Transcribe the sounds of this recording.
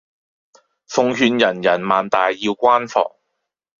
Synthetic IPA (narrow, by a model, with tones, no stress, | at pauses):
fʊ˧ŋɦyː˧njɐ˨˩njɐ˨˩nmaː˨nt̪aː˨jːiː˧wkʷaː˥nfɔ̰ː˨˧ŋ